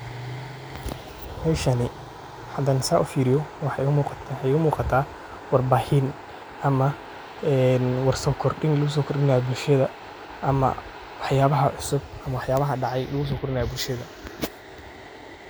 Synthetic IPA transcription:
mɛːʃɐnɪ | ħɐd̪ɐnɪsaːʔʊfiːɾɪjɔwɑħɑʊmuq̪ɛʊmuːqɑt̪ʰaː | wɑrbaːhɪn | ʔɐmɐ | ɛːnwɑrsɔːkʰɔrɖɪŋlʊɣʊs̬ɔːkʰʊrɪnajbʊlʃɐðɐ | ʔɐmɐ̰ | wɑħjaːβɐɦɐʕʊsʊb̚ʔɐmɐwɑħjaːβɐɦɐɖɑʕɑjlʊɣʊs̬ɔːkʰʊrɪnaːjɐbʊlʃɐðɐ

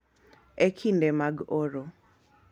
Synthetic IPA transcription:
ekʰindemaɡoɾo

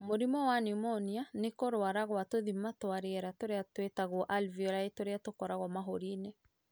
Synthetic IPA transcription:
moɾimɔwanimɔnianekoɾoaɾaɣwatoðimatowaɾeɛɾatoɾeatwetaɣoʔalviɔɾaetoɾeatokɔɾaɣɔmaɦoɾine

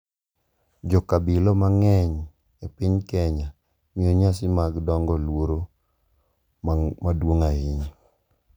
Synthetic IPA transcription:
d͡ʒɔkabɪlɔmaŋɛɲ | epɪɲkɛɲa | mioɲasɪmaɡdɔŋɡɔlwoɾo | madwoŋaɪɲ

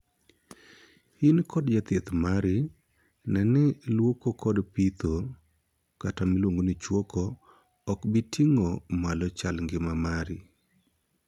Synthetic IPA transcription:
hinkʰɔdd͡ʒat̪et̪maɾɪ | nɛnɪlwokokʰɔdpit̪ʰo | katamilwoŋɡonit͡ʃwokʰɔː | kbitʰiŋomalɔt͡ʃalŋɡɪmamaɾɪ

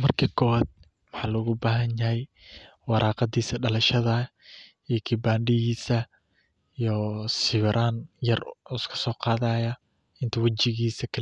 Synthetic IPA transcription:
mɐrkʰɐkʰɔwad̪̚ | mɑħɑːlɔɣʊbaːɦɐnjɐhɛj | wɑɾʔɑːqɑd̪iːsɐɖɐlɐʃɐðɐ | ijkʰɪbaːɳɖɪɣiːsɐ | ijɔsɪβɾʔaːnjɐrɔskʰɐ̥sɔːqɑːðaːjɐ | ɪnt̪ʰɐwɑt͡ʃɪɣiːsɐkʰɐl

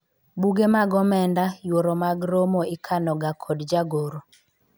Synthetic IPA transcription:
buɡemaɡɔmɛndajwoɾɔmaɡɾomoɪkʰanɔɡakʰɔdd͡ʒaɡoɾo

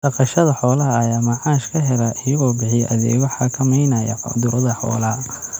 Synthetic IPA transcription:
d̥ɐqɑʃɐðɐħɔːlɐɦɐːjaːmɐʕɑːʃkʰɐɦɛlɐʔɪjɐɣɔːbɪħɪjɛʔɐðɛ̰ːɐħɑkʰɐmɐjnɐjɐ̰fɑ̰d̪ʊɾɐðɐħɔ̰ːlɐɦɐ

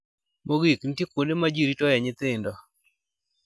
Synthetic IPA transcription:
moɡikn̩tikondemad͡ʒiɾitɔjɛɲɪt̪ɪndɔ

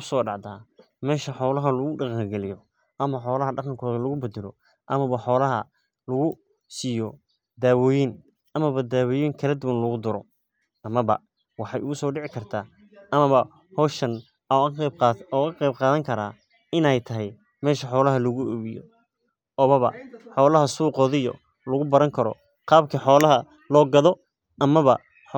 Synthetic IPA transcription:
ʊsɔːɖɑʕd̪aː | mɛːʃɐħɔːlɐɦɐlʊɣʊɖɑqɑŋɡɛlɪjɔ | ʔɐmɐħɔːlɐɦɐɖɑqɑŋkʰɔːðɐlɐɣʊbɛd̪ɛlɔ̰ | ʔɐmɐβɐħɔːlɐɦɐ̰ | lɐɣʊ | siːjɔ | d̪aːwɔːjin | ʔɐmɐβɐd̪aːwɔːjiŋkʰɐlɛd̪ʊwɐnlɐɣʊd̪ʊɾɔ | ɐmɐβɐ̰ | wɑħɑjʊɣʊsɔːɖɪʕɪkʰɐrt̪ʰaː | ʔɐmɐβɐ | hɔːʃɐn | ɔːɐqejb̚qaːðɐŋkʰɐɾaː | ɪnɛjt̪ʰɐɦɛj | mɛːʃɐħɔːlɐɦɐlɐɣʊɛβɪjɔ̰ | ɔːβɐβɐ̰ħɔːlɐɦɐsuːqɔːðɪjɔ̰ | lɐɣʊbɐɾɐŋkʰɐɾɔ̰ | qɑːbkʰɐħɔːlɐɦɐ | lɔːɡɐðɔ | ʔɐmɐβɐ

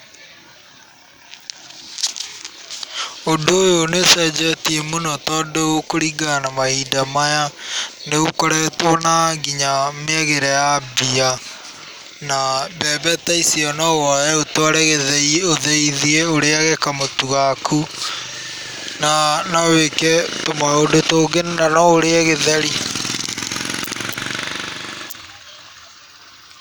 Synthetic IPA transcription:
odoːjonesɛd͡ʒɛtiemonɔtɔdookoɾiɡanamaidamajaneokɔɾɛtwɔnaɡiɲameaɣeɾɛjabia | nabɛbɛtaisiɔnɔwajɛotwaɾɛɣeðɛioðeiðieoɾeaɣɛkamotuɣakʰu | nanawekɛtomaodotoːɡenenanɔoɾeɛɣeðɛɾi

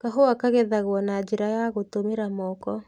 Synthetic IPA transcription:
kaɦoakaɣɛðaɣwɔnad͡ʒiɾajaɣotomeɾamɔkɔ

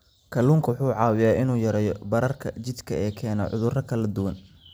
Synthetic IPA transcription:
kʰɐluːŋkʰɐwʊħuːʕɑːwɪjaːʔɪnuːjɐɾɛːjɔbɐɾɐrkʰɐ̰t͡ʃɪd̪kʰɐɛːkʰɛːnɐʕʔʊ̰ðʊrɐkʰɐlɐd̪ʊwɐn

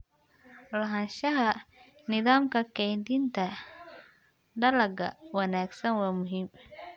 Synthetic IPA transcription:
lɐɦɐnʃɐɦɐ | nɪðaːmkʰɐkʰɛjnd̪ɪnt̪ʰɐ | ɖɐlɐɡɐ̰wɑnaːɡsɐnwɑːmʊɦiːm

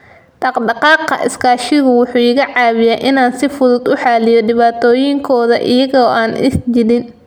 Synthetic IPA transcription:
d̥ɑqɖɑqɑːqːɐ̰ʔɪ̰skʰaːʃɪɣʊwʊħuːɪɣɐʕɑːβɪjaːʔɪnaːnsɪfʊðʊd̪ʊħɑːlɪjɔɖɪβaːt̪ʰɔːjɪŋkʰɔːðɐ̰ʔɪ̰jɐɣɔːʔaːnʔɪ̰sd͡ʒɪɽɪn

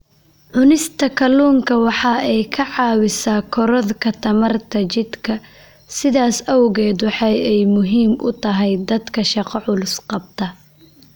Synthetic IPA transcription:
ʕʊnɪst̪ʰɐkʰɐluːŋkʰɐwɑħɑːʔɛjkʰɐʕɑːwɪsaːkʰɔɾɔðkʰɐt̪ʰɐmɐrt̪ʰɐt͡ʃɪd̪kʰɐ | sɪðaːsɐwʊɣɛːd̪wɑħɑjɛjmʊɦiːmʔʊ̰t̪ʰɐɦɛjd̪ɐd̪kʰɐʃɑqɔʕʊlʊsqɑb̚t̪ʰɐ

